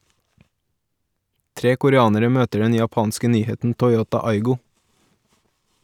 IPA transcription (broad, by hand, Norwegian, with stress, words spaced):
ˈtɾeː kʊɾəˈɑːnəɾə ˈmøːtəɖ ˈɛn jɑˈpɑːnskə ˈnyːhɛtn̩ tɔʏˈoːtɑ ˈɑɪɡʊ